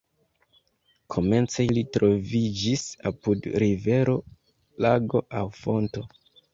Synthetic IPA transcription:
kʰo̞me̞nt͡sejlitɾo̞vid͡ʒisapudɾive̞ɾo̞ | laɡo̞ʔawfo̞nto̞

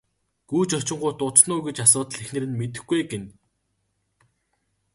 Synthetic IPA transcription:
ɡ̥uːt͡ɕɔt͡ɕɪ̆ɴɢʊːt̪ʊt͡snʊːɡet͡ɕasʊːt̪ə̆ɮexnɘ̆ɾɘ̆nmet̪ɘ̆xɡejɡen

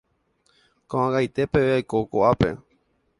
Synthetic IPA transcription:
kõãɡajt̪e̞pe̞ʋeajkokoʔape̞̰

